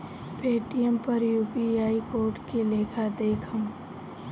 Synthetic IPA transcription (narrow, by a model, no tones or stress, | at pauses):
peːʈijəmpɐɾjuːpiaːikoːɾʈkeleːkʰəɾd̪eːkʰə̃m